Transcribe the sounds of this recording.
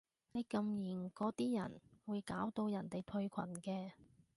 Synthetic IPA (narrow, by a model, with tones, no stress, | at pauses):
ne˨˧jkɐ˧mjiː˨˩nkɔː˨˥t̪iː˥jɐ̰˨˩nwuː˨˧jkaː˨˥wt̪o˧wjɐ˨˩nt̪e˨jt̪ʰɵ˧ɥkʷʰɐ̰˨˩nkɛː˧